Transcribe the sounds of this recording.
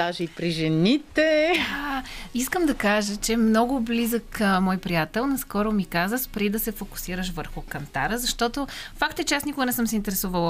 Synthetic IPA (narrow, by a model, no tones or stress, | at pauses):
d̪aʒɛipɾiʒɛnit̪ɛ | iskəmd̪ɐkaʒət͡ʃɛmnɔɡʊblizəkmɔjpɾijat̪ɛlˠnɐskɔɾʊmikazəspɾid̪ɐsɛfokʊ̥siɾəʃvəɾxʊkɐnt̪a̰ɾəzɐʃt̪ɔt̪ofakt̪ɛt͡ʃɛasnikʊɡənɛsəmsɛint̪ɛɾɛsuvəlˠ